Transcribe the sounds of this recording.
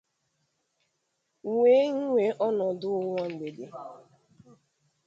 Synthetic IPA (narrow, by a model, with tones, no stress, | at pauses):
ŋʷeː˦ŋ̩˦ŋʷe˨ʔɔ˦nɔ˨dʊ˦ʊ˦ŋʷɔ˦ŋ͡m̩˨ɡ͡be˨de˨